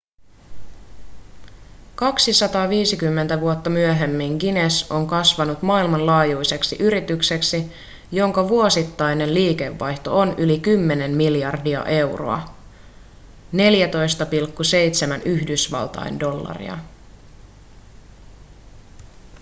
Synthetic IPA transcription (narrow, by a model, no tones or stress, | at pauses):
kɑksisɑt̪ɑːʋiːsikymːe̞nt̪æʋuot̪ːɑmyøɦe̞mːiŋɡineso̞ŋkɑsʋɑnut̪mɑːilmɑnlɑːjujse̞ksiʔyɾit̪ykse̞ksi | joŋkɑʋuo̞sit̪ːɑjne̞nliːke̞ʋːɑjçt̪o̞̰onylikymːe̞ne̞mmiljɑrdiɑ̰ʔe̞wro̰ɑ̰ | ne̞ljæt̪o̞jst̪ɑpilkːuse̞jt̪semænyhdysʋɑ̰lt̪ɑ̰jndo̞lːɑ̰rḭɑ̰